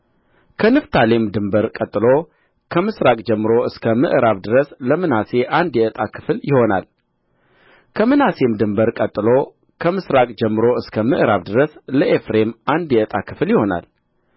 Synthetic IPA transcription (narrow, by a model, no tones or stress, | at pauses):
kʰənɨft̪ʰalemd̪ɨmbəɾkʼət̪ʼːɨlo | kʰəmɨsɾakʼd͡ʒɛmːɾo̞ɨskʰəmɨʔɾaβd̪ɨɾəsləmɨnase̞ʔand̪jɛət̪ʼakʰɨ̥fljɪho̞na̰l | kʰəmɨnase̞md̪ɨmbəɾkʼət̪ʼːɨlo̞ | kʰəmɨsɾakʼd͡ʒɛmːɨɾo̞ɨskʰəmɨʔɾaβd̪ɨɾəsləʔefɾe̞mʔand̪jɛət̪ʼakʰɨ̥fljɪho̞na̰l